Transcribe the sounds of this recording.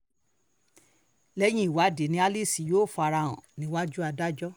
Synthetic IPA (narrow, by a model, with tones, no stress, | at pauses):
lɛ˦j̃ĩ˦i˨wa˨˦de˨˦nĩ˧˦a˧li˦˨si˨joː˦˨fu˧a˧ɾa˧w̃ɔ̰̃˨nĩ˨˦wa˦d͡ʒu˦a˧da˦d͡ʒɔ˦